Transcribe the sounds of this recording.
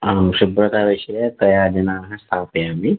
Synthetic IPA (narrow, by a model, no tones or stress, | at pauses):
aːmʃubɾɐt̪aːʋiʃɐjɐt̪ɐjaːd͡ʒɐnaːɾɐɦɐst̪ʰaːpjaːmi